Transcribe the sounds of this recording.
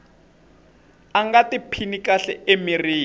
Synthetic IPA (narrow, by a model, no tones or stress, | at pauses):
aŋɡatipʰinikaɬɛ̰ʔemiriː